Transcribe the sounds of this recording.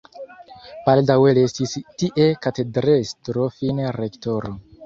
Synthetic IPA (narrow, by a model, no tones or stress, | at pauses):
baldawelestistiʔe̞katedɾestɾofinɾektoɾo